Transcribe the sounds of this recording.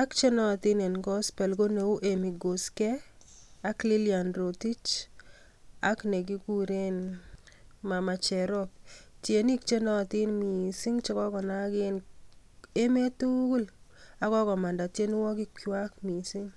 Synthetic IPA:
a˦kt͡ʃe˦nɔ˦˨t̪ɪ˦ne˨nkɔ˦spɛ˨lɡo˦ne˨u˦ʔe˨mi˨ɡo˨skɛ˦a˦kli˦lia˨nɾo˨ti˦t͡ʃ | a˦kne˨ɡ̬i˦ku˦ɾe˦n | ma˨ma˨t͡ʃɛ˨ɾɔ˦p̚tje˨ni˦kt͡ʃe˦nɔ˦˨t̪ɪ˦nmi˨si˦ŋt͡ʃɔ˦kɔ˦kɔ˨na˦ɡɪ˦n | e˦me˦tu˦ɡu˦la˨˦kɔ˦kɔ˨ma˨nda˨tje˦n˦wɔ˦kɪ˦kjwa˦kmi˨si˦ŋ

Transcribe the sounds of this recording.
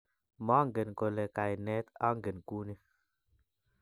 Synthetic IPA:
ma˦ŋɡe˨nko˨le˨ka˨jnɛ˦t̪a˦ŋ˦ɡe˨nku˦ni˦

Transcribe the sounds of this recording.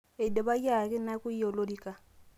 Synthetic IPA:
e˨dɛ˨ba˦ja˨kɪ˦na˦kʼu˦i˦ɔ˨lo˦di˨kʼa˨

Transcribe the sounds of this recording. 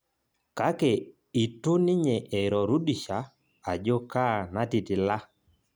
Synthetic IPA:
ka˦kɛ˨ | i˨tu˦nɪ˦ɲɛ˨ʔɛ˨ɾɔ˨ɾu˦ɗi˨ʃa˨˦ | a˨d͡ʒo˦ka˦˨na˦tɪ˨tɪ˨la˦

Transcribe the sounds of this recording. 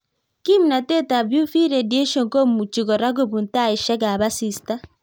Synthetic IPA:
ki˦mu˨na˨te˦ta˨βju˦fi˦ɾe˨de˦ʃo˨ŋko˦mu˨t͡ʃi˨ɣɔ˨ɾa˦ɡo˦βu˨nta˦˨i˨ʃe˦ɡa˨βa˦si˨sta˦

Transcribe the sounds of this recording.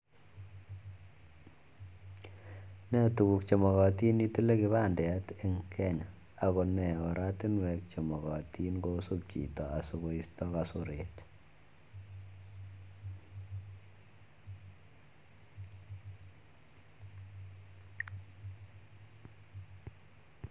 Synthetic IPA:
nɛ˦tu˨ku˨k̚t͡ʃɔ˨mɔ˨ɣɔ˨ti˦ni˦tu˦le˦ki˨βa˦˨ndɛ˨a˦te˦ŋkʰɛ˦ɲa˨ | a˨ko˨nɛ˨o˨ɾa˦ti˦nwɛ˨k̚t͡ʃɔ˨mɔ˨kɔ˨ti˦nko˦su˦p̚t͡ʃḭ˨tɔ˨a˨su˨ko˨i˨stɔ˦kasu˨ɾe˨t

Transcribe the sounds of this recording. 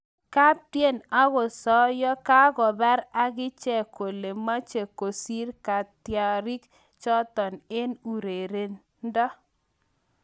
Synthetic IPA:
ka˦p̚tje˦˨na˦ɣɔ˨sɔ˦jɔ˦ka˦ɡɔ˨ba˦ɾa˦ɡɪ˦t͡ʃɛ˦˨ko˨le˨ma˦t͡ʃe˨ko˨si˦ɾka˨tja˨ɾi˦k | t͡ʃɔ˦tɔ˨ne˦nu˨ɾe˨ɾe˨n˦ | dɔ˦

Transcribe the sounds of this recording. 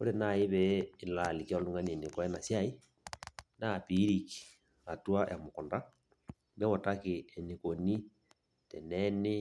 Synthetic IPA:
o˦ɾe˨na˨i˦βɛː˨la˨li˨ki˦ɔ˦lu˦ŋɡa˦ne˨ni˨kɔ˦ɛ˦na˨sja˦i˦ | na˦˨pi˦ɾi˨ki̥˨ | a˨twa˦ja˨mo˨kɔ˨nda˦ | βɛ˦wɔ˨ta˦ke˨ɛ˨ni˨ko˨ni˦ | tɛ˨nɛ˦ne˦

